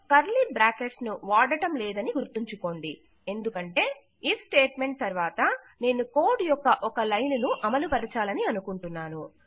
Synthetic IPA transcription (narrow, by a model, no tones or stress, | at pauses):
kɐɾlibɾaːke̞ʈsnuʋaːɽɐʈɐmlɛːd̪ɐniɡuɾt̪iɲt͡ʃuko̞ːɳɖi | e̞nd̪ukɐɳʈe̞ː | ifsʈe̞ːʈme̞ɳʈ̚t̪ɐɾʋaːt̪ɐ | ne̞ːnuko̞ːɖjɔkːɐʔɔkɐlɐjnunuʔɐmɐlupɐɾɐt͡ʃaːlɐniɐnukuɳʈunːaːnu